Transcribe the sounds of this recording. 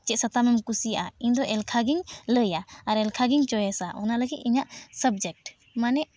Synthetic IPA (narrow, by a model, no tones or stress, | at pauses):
t͡ʃɛsat̪amɛmkusijaʔaiɲd̪ɔʔɛlkʰaɡiŋləjaaɾɛlkʰaɡiŋt͡ʃɔjɛsaʔɔnaləɡit̪̚iɲaʔsəb̚d͡ʒɛk̚ʈ | manɛʔ